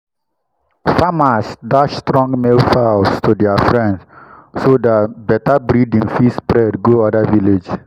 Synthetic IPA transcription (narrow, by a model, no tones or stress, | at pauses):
famasdaʃstɹɔ̃ŋɡmelfawstʰudɛafɹɛ̃ndssodabɛtabɾidĩŋfispɾɛdɡoadaviled͡ʒ